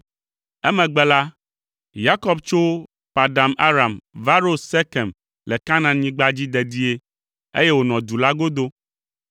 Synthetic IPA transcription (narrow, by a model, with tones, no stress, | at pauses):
ɛ˦mɛ̃˨ɡ͡bɛ˨la˦ | ja˦kɔ˦bt͡ʃo˦ | pa˨da˨mʔa˦ɾa˨mva˦ɾo˦se˦kɛ˨m | lɛ˨ka˦nã˨ɲĩ˦ɡ͡ba˦d͡ʑi˦d̪ɛ˨d̪i˦e˦ | ḛ˦jɛ˦wo˨nɔ̃˨d̪u˨la˦ɡo˦d̪o˦